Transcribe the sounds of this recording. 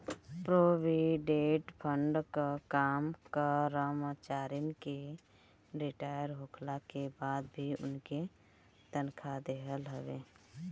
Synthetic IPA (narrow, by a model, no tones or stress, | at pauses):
pɾoːʋiɖeːʈpʰəɳɖkakaːmkaɾəmat͡ʃaːɾinke | ɾɪʈaːjəɾɦoːkʰlakebaːd̪bʱiʊ̰nke | t̪ənkʰad̪eɦəlɦəʋḛː